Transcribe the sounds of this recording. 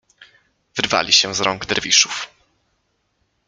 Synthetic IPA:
vɘɾva̰lʲiɕɛzɾɔŋɡd̪ɛɾvʲiʂuf

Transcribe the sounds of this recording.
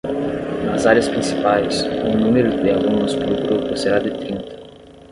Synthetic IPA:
nɐzaɾjɐspɾĩsi̥pajsunũmeɾʊd̪ɪaɡũnʊspluɡɾupʊseɾad̪ɪt̪ɾĩnt̪ɐ̥

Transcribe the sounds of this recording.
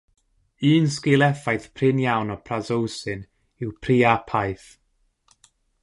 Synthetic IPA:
ɨːnskɪlˠɛfajθpʰrɪnjawnɔpʰrazowsɨn | ɪwpʰriːapʰajθ

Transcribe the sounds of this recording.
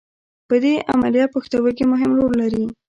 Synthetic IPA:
pəd̪eʔa̰malijɑt̪̚paxt̪awək̬emʊɦɪmɾolːaɾi

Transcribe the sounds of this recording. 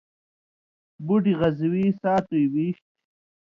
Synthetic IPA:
buʈiʁazwisaːt̪ujwiːɕt̪̚

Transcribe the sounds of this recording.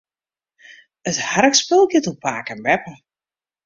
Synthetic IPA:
əthaɾəkspɪlˠɡɪtupʰaːkənbɛpə

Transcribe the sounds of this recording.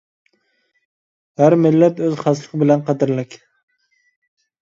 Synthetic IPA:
hæɾmɪlːɛt̪øzχɑslˠəqbɪlɛnqʰɑd̪ɪɾlɪkʲ

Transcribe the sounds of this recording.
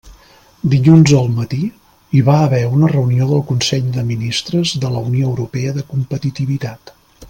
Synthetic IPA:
d̪iʎunzəlˠmət̪i | iβaəβɛunərəunioðəlˠkunsɛʎd̪əminist̪ɾəzðələunioəwɾupɛəðəkumpət̪it̪iβit̪at̪

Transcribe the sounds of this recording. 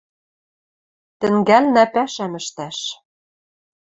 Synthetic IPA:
t̪ɘ̆ŋɡælnæpæʃæmɘ̆ʃt̪æʃ

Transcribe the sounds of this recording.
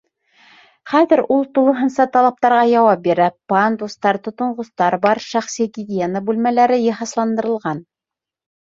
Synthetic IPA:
χæðɘɾulˠt̪ulˠɤ̆ɦɤ̆nsɑt̪ɑlˠɑp̚t̪ɑɾʁɑjɑwɑp̚biɾæpɑnd̪ust̪ɑɾt̪ŏt̪ŏɴʁŏst̪ɑɾbɑɾʃæχsiɡʲɪd̪ʲɪjenəbʉlmælæɾɘjɤ̆ɦɑslˠɑnd̪ɤ̆ɾɤ̆lˠʁɑn

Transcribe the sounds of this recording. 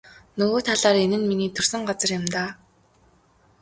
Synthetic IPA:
nɵɣoːt̪ʰaɮaːɾenɘ̆nminiːt̪ʰɵrsɵ̆ŋɢat͡sə̆rjɪmt̪aː

